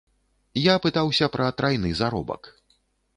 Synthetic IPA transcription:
japɨt̪awsʲɐpɾʔɐt̪ɾajnɨzaɾɔ̰bɐ̰k

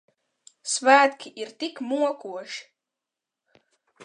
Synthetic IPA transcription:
svæːt̪kʲʰiʔiɾt̪ikmuɔkuɔʃi̥

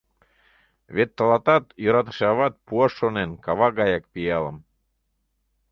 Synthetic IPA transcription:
βet̪ːəlɑt̪ɑt̪joɾɑt̪̬ə̥ʃɑβɑt̪̚puɑʃːonenkɑβɑɣɑjɑkpiɑlə̰m

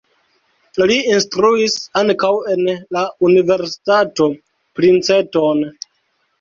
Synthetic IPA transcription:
liinstɾuisaŋkawe̞nlaunive̞ɾsi̥tato̞ | pɾint͡se̞ton

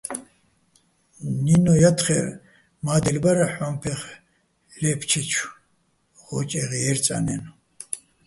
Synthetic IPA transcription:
ninɔjat̪χɛ̰ɾ | maːd̪ɛlbaɾaħɔmpʰɛχ | lɛpʰt͡ʃʰɛt͡ʃʰ | χɔt͡ʃʼɛʁɛɛɾt͡sʼa̰nɛn

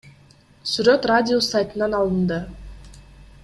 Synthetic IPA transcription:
syɾøt̪radʲɪosajt̪ɯnɑnɑlˠɯnd̪ɯ

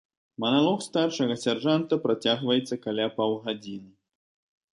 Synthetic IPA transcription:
mɐnalˠɔxst̪arʂɐɣɐsʲarʐant̪ɐpɾat͡sʲaɣvɐjɛt̪sːɐkalʲapawɣad͡zʲinɨ

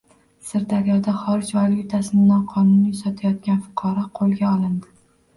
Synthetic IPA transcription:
sɪɾd̪aɾjɒd̪aχɒɾɪd͡ʒvalɪt̪ʰasɪnɪnɒqʰɒnʊnisɒt̪ʰajɒt̪ɡʲanfʊ̥qʰɒɾɒqʰolˠɡʲaɒlɪnd̪ɪ

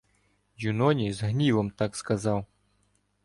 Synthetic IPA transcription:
junɔnʲizɦnʲivɐmt̪akskazaw

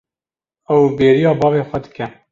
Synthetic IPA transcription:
ɛwbeːɾijɑːbɑːveːxʷɛd̪ɨ̥kɛ

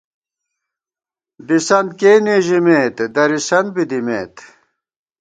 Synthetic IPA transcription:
d̪isɐnd̪keːneːʑimeːt̪d̪ɐɾisɐnd̪̚bid̪imḛːt̪

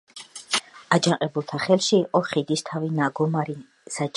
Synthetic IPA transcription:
ad͡ʒaŋqʼɛbulˠt̪ʰaχɛlˠʃiːqʼɔχid̪ist̪ʰavinaɡɔmaɾi | sat͡ʃʼ

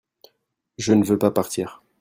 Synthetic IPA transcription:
ʒənəvøpapaʁt̪iːʁ

